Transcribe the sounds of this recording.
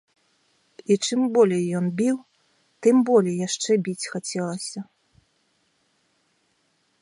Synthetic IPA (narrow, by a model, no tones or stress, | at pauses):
it͡ʂɨmbɔlʲejːɔnbʲiw | t̪ɨmbɔlʲejjaʂt͡ʂɛbʲit͡sʲxat͡sʲɛlˠɐsʲɐ